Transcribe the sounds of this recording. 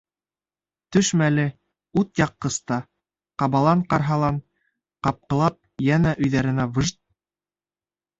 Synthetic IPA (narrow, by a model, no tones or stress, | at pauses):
t̪ɵʃmælɘ | ut̪jɑqːɤ̆st̪ɑ | qɑβɑlˠɑɴqɑɾɦɑlˠɑn | qɑp̚qɤ̆lˠɑp̚jænæʔɵ̆jðæɾɘ̆nævɤʒt̪̚